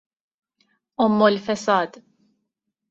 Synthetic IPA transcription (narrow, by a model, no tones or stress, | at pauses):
ɔmːɔlfɛsɐːd̪